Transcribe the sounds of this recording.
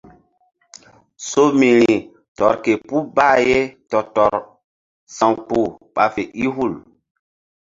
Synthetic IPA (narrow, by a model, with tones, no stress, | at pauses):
so˦mi˨ɾi˨ | tɔ˨ɾke˨pu˦ba˦˨je˦tɔ˨tɔ˨ɾ | sã˨ŋk͡pu˦˨ɓa˨fe˨ʔi˦ɦu˦˨l